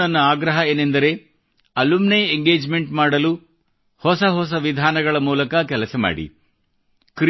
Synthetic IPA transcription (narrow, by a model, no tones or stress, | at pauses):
ɐnːɐaːɡɾɐɦɐeːnend̪ɐɾe̞ | ɐlumnejeŋɡeːd͡ʒme̞ɳʈmaːɽɐlu | hɔsɐɦɔs̬ɐʋid̪ʱaːnɐɡɐɭɐmuːlɐkɐkɛlɐsɐma̰ːɽḭ | kɾ